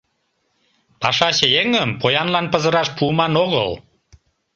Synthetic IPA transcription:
pɑʃɑɕəjeŋəmpojɑnlɑnpəzəɾɑʃpuːmɑnoɣə̰l

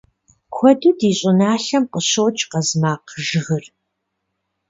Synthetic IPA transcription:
kʷʰɔdudiːɕʼɪnaːɬɐmqəɕowt͡ʃʼqɐzmaːqʒɨɣɨr

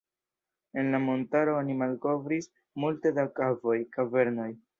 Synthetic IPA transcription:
e̞nlamo̞ntaɾo̞onimalko̞vɾis | multe̞dakavo̞jkave̞ɾno̞j

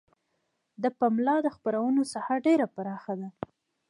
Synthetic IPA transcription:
d̪əpamlɑd̪əxpəɾawənosahaɾɖeɾapaɾɑxad̪a

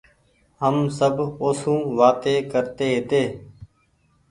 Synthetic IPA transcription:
ɦəmsəboːsũːʋaːt̪eːkəɾt̪eːɦet̪eː

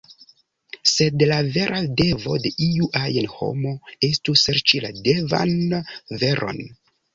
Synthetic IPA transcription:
se̞dlave̞ɾʔade̞vo̞de̞ʔiuʔajenho̞̰mo̞e̞stuseɾt͡ʃila̰de̞va̰nveɾʔo̞̰n

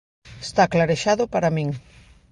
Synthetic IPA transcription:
est̪aklaɾeʃaðʊpaɾamĩŋ

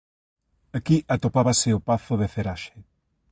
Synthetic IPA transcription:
ɐkiʔɐt̪opaβɐsɪopaθʊðeθeɾaʃe

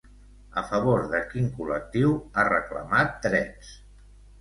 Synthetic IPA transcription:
əfəβoɾðəkiŋkulək̚t̪iwarəklə̰mat̪ːɾɛs

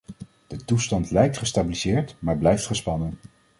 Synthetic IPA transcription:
d̥ətustɑntlɛjk̚tχəstabilizɪːɹtmaːɹblɛjftχəspɑnən

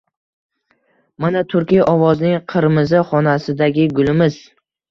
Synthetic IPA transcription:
manat̪ʰʊɾkʲijʔɒvɒznɪŋqʰɨɾmɪzaχɒnasɪd̪aɡʲɪɡʊlɪmɪz̥

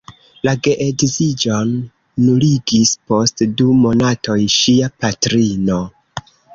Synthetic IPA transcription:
laɡe̞ʔeɡzid͡ʒo̞nː | uliɡispo̞stdumo̞natʰo̞jʃiapatɾino̞

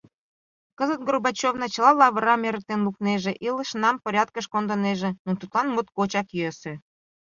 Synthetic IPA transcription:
kəzət̪̚ɡrobɑt͡ɕovnɑt͡ɕə̆lɑlɑβəɾɑmeɾə̆k̚t̪enlukneʒeʔiləʃnɑmpoɾʲɑt̪kəʃkond̪əneʒenot̪ut̪lɑnmot̪̚kot͡ɕɑkjøse

